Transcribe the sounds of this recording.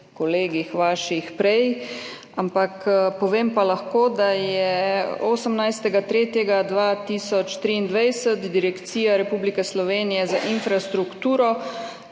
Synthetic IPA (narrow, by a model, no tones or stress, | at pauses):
kɔleːɡixʋaːʃixpɾɛj | ampakpɔʋeːmpalaxkoːd̪ajɛoːsəmnajst̪ɛɡat̪ɾeːt̪jɛɡad̪ʋaːt̪iːsɔt͡ʃt̪ɾiːnd̪ʋajsət̪d̪iɾɛkt̪siːjaɾɛpuːblikɛslɔʋeːnijɛzaʔinfɾast̪ɾukt̪uːɾɔ